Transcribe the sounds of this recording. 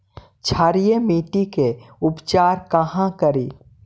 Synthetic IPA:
t͡ʃʰaːɾijemiːʈikeʊpt͡ʃaːɾkɐɦãkəɾiː

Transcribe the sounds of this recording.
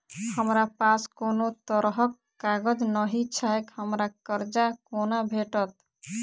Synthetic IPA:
həmɾapaskonot̪əɾɦəkːaɡəd͡ʒnəɦit͡ʃʰaekhəmɾakəɾd͡ʒakonabʱeʈət̪

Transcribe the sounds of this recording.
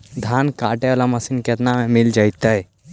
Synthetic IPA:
d̪ʱankaːʈeʋalaməsinket̪namemild͡ʒajt̪əj

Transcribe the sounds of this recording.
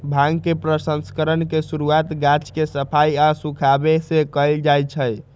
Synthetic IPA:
bʱãŋɡkepɾəsənskəɾənkesuɾuat̪ɡat͡ʃʰkesəpʰaiasukʰabesekəjld͡ʒajt͡ʃʰəj

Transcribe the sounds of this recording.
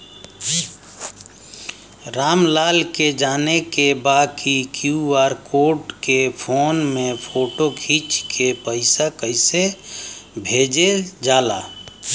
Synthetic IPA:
ɾamlalked͡ʒanekebakʰikjuaɾkoʈkepʰonmepʰoʈokʰit͡ʃkʰepəɪsakəɪse | bʱed͡ʒed͡ʒala̰

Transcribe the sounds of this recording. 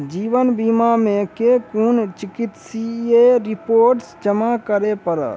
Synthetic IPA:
d͡ʒiːʋənbimamẽkekuːnt͡ʃɪkɪt̪sieɾɪpoːɾʈsd͡ʒəmakəɾepəɾə̰

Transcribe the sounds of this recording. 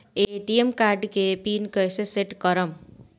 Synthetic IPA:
eʈiemkaɾɖkepinkʌjseseʈkʌɾʌm

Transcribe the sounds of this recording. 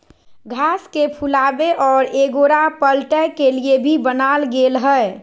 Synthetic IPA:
ɡʱaːskepʰulaːbeʔɔːɾeɡoɾapəlʈəkeliebʱibənaːlɡeːlɦə

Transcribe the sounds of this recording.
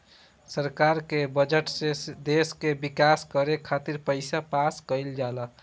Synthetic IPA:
səɾkaɾkebəd͡ʒəʈsed̪eskebikaskəɾekʰat̪iɾpəɪsapaskəɪld͡ʒalə

